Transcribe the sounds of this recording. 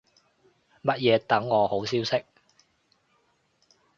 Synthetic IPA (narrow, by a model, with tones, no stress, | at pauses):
mɐ˥t̚jɛː˨˧t̪ɐ˨˥ŋːɔː˨˧ho˨˥wsiː˥wsɪ˥k̚